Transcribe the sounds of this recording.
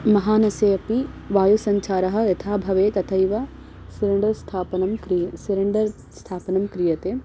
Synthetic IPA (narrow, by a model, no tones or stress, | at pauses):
mɐɦaːnɐseːɐpiʋaːjusɐɲt͡ʃʰaːɾɐɦɐ̆ɐt̪ʰaːbʱɐʋeːt̪ɐt̪ʰɐjʋɐ | sɪɾɐɳɖɐɾst̪ʰaːpɐnɐmkɾsiɾɐɳɖɐɾ | st̪ʰaːpɐnɐmkɾijɐt̪eː